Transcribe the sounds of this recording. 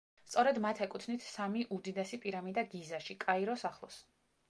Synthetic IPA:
st̪sʼɔɾɛd̪mat̪ʰɛkʼut̪ʰnit̪ʰsamiʔud̪id̪ɛsipʼiɾamid̪aɡizaʃikʼaiɾɔsaχlˠɔs

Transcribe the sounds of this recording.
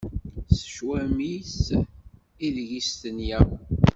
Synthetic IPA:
sə̥ʃwæmiθ | iðʝist̪ənjæw

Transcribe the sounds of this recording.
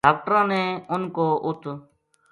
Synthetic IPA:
aːk̚ʈəɾãːneːʊnkoːʔʊt̪ʰ

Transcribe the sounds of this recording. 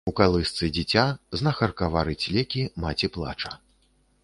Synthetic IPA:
ukalˠɨst̪sɨd͡zʲit͡sʲaznɐxɐrkavaɾɨt͡sʲlʲɛkʲimat͡sʲiplˠa̰t͡ʂɐ

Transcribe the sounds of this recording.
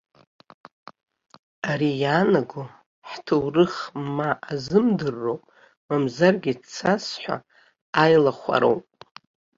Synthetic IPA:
aɾijaːnaɡʷu | ħtʰɨwrɨχmaʔːzɨmdɨrːowpʼ | mamzarɡʲit͡sʰasħʷa̰ː | jlaχʷa̰ɾo̰wpʼ

